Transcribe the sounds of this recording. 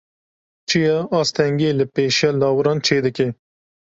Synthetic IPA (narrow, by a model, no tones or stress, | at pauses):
t͡ʃʰijɛɑːst̪ʰɛŋɡeːlɨpeːʃjɑːlɑːwɨɾɑːnt͡ʃʰeːd̪ɨke